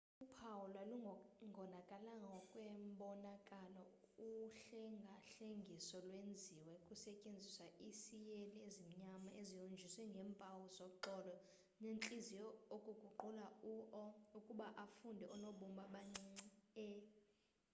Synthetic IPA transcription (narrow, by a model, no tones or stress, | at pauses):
upʰawulwaluŋɡʱɔnakʼalaŋɡʱaɔkʼwɛmɓɔnakʼalɔ | uɬɛŋɡʱaɬeŋɡʱisɔlwend͡zʱiwɛkʼusɛcʼend͡zʱiswaʔisijeliezim̩ɲamaʔezijond͡ʒʱiswɛŋɡʱɛːmpʼawuzokuǃɔːlɔ | nenǁʼizijɔokʼuɡ̥ʱuǃulauʔɔukʼuɓaʔafundʱɛʔɔnoɓumɓaɓaŋ͡ǀiŋ͡ǀɛ